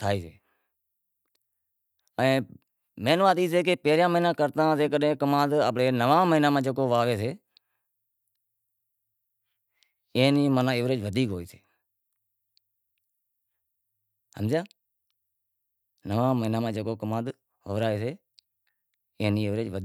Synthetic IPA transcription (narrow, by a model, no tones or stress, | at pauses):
t̪ʰaːiːsḛː | əẽː | meːnʋaːt̪iːs̬eːk̬epeːɾjãːməɦiːnãːkəɾt̪ãːseːkəɗẽːkəmãːd̪əp̬ɽeːnəʋãːməɦinãːmãːd͡ʒəkoːʋaːʋeːseː | ẽːniːmənãːɪʋɾeːt͡ʃʋəd̪iːkɦoːiːseː | hə̰mzjãː | nəʋãːməɦinãːmãːd͡ʒəkoːkəmãːd̪ | ʋəʋɾaːeːseː | eːniːɪʋɾeːt͡ʃʋə